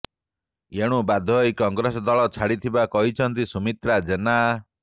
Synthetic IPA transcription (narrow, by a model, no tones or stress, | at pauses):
eɽ̃ũbad̪ʱɔjkɔŋɡɾesɔd̪ɔɭɔt͡ʃʰaɽit̪ʰibakɔɦit͡ʃʰɔnt̪isumit̪ɾad͡ʒena